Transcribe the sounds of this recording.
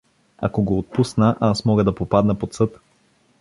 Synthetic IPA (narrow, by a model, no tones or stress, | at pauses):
a̰koɡoːt̪̚pusnəʔasmɔɡəd̪ɐpopad̪nəpot̪sɤt̪